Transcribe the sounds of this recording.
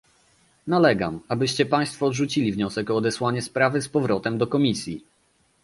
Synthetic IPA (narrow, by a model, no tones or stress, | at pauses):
nalɛɡa̰mabɘɕt͡ɕɛpaj̃st̪fɔd̪ʐut͡ɕilʲivɲɔsɛkɔːd̪ɛswaɲɛspɾavɘspɔvɾɔt̪ɛmd̪ɔkɔmʲisʲji